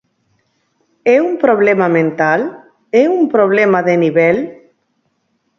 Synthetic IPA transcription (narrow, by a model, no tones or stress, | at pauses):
ɛumpɾoβlemamẽnt̪al | ɛumpɾoβlemaðeniβɛl